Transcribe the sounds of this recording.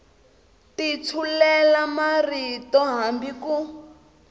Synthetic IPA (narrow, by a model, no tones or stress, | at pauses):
tit͡sʰulɛlamaritɔɦambiku